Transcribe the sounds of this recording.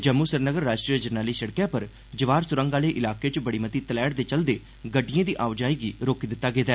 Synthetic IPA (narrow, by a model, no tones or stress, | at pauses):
d͡ʒəmːuːsəɾnəɡəɾːaːʃʈɾijəd͡ʒəɾnaːliːsəɽkjãːpəɾ | d͡ʒəʋaːɾsʊɾə̃ŋɡaːleːʔɪlaːkeːt͡ʃbəɽiːmət̪iːt̪əlɛːɽd̪eːt͡ʃəld̪eː | ɡəɖːɪjãːd̪iːʔaːʋd͡ʒaːiːɡiːɾoːkd̪ɪt̪ːaːɡeːd̪aː